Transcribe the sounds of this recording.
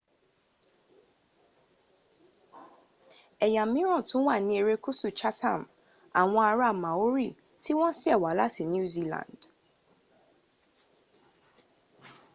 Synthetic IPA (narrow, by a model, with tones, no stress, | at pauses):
ɛ˨ja˨mĩ˦ɾɔ̃˦˨tʰʊ̃˨˦wa˦˨nɪ̃˨˦e˨ɾe˦kʰu˦su˨t͡ʃʰa˦tʰã˦˨m | a˨wɔ̃˦a˨ɾa˦˨mã˨o˦ɾḭ˦˨ | tʰɪ˦wɔ̃˦sɪ˦ɛ˨wa˨la˦tʰɪ˨njũ˦zi˦lã̰˨nd̥